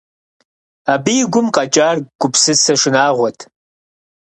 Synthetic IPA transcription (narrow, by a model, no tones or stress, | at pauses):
aːbiːɡʷʊmqɑt͡ʃʼaːrɡʷʊpsɨsɐʂɪnaːʁʷɔtʰ